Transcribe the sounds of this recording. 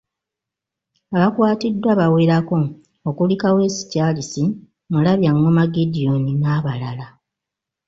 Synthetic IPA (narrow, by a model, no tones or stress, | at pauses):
aβakwaːtidːwaβaweɾako̞ː | kulikawe̞ːsi̥caːlisi | mulaβjaŋːomaɡidio̞ninaːβalala